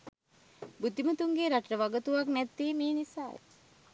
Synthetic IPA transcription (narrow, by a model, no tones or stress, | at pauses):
bud̪imət̪uŋɡeɾaʈəɾəʋaɡət̪uʋaknæt̪ːiːmiːnisaːjḛ